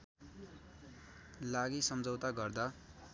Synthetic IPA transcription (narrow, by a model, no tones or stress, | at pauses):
laɡisʌmd͡zʌwt̪aɡʌrd̪a